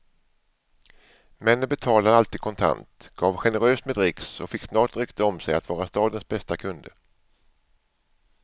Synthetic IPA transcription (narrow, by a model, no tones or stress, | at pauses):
mɛnbɛt̪ʰɑːlad̪əalt̪iːd̪̥̚kʰɔnt̪ʰa̰nt̪ɡ̥ɑːvɧɛnəɾøːsmɛd̪ɾɪksɔfɪksnɑːʈɾʏkt̪ʰəɔmsɛjat̪vɑːɾast̪ɑːd̪ənsbɛst̪akʰɵnd̪ə